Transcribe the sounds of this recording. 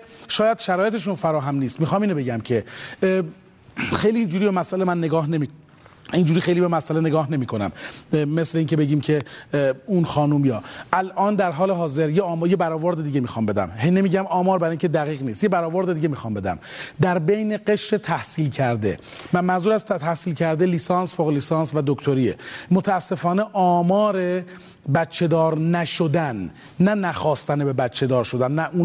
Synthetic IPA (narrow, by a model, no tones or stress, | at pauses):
ʃɒːjæd̪ʃæɾɔːjet̪ʰeʃ̬unfæɾɒːɦæmniːst̪miːxɒːmiːnobe̞ɟæmcʰe̞ | xejliːind͡ʒuːɾiːbemæsʔælemænːe̞ɡɒːhnemi | ind͡ʒuːɾiːxe̞jliːbemæsʔælene̞ɡɒːhne̞miːkʰo̞næ̰mːe̞sleiːncʰebe̞ɟiːmcʰe̞ | unxɒːnumjɒːʔælʔɒːnd̪æɾɦɒːleɦɒːzeɾjeɒːmjebæɾɒːvoɾd̪ed̪iːɟemiːxɒːmbe̞d̪æ̰mɦejne̞miːɟæmɒːmɒːɾbæɾiŋcʰed̪æɣiːɣniːst̪je̞bæɾɒːvoɾd̪ed̪iːɟe̞miːxɒːmbe̞d̪æ̰md̪æɾbe̞jne̞ɡe̞ʃɾe̞t̪ʰæhsiːlcʰæɾd̪e̞̰ | mænzuːɾæst̪ʰæhsiːlcʰæɾd̪eliːsɒnsfoɣeliːsɑːnsvæd̪okt̪ʰoɾiemot̪ʰææsːefɒːneʔɒːmɒːɾe | bæt̪t͡ʃʰːe̞d̪ɒːɾnæʃod̪ænː | ænæxɒːst̪ænebe̞bæt̪t͡ʃʰe̞d̪ɒːɾʃo̞d̪ænːæʔun